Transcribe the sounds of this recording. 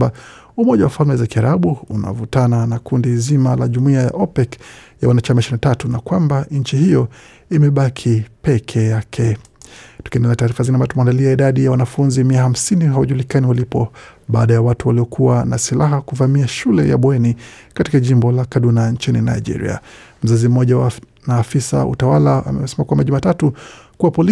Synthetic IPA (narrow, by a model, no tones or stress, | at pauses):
ba | umɔʄawafalmɛzakiaɾaɓuuna̰vutananakundizimalaʄumuiaja̰ʔɔpɛkjawanat͡ʃamaʃinatatunakwambaɲ̩t͡ʃihijɔ | imɛɓakʰipɛkʰɛjakʰɛ | tu̥kiɛndɛlataːɾifazinambatumandaliaiɗaɗijawanafunzimiaham̩siniɦawaʄulikaniwalipɔɓaːɗajawatuwaliɔkʰuwanasilaɦakuvamiaʃulɛ̰ja̰ɓwɛnikatikaʄimbɔlakaɗunaɲt͡ʃinḭna̰iʄḭɾḭa̰m̩zazim̩ɔʄawa | naːfisa̰ṵtawalaa̰mɛsɛmakwambaʄumaːtatukuwapɔli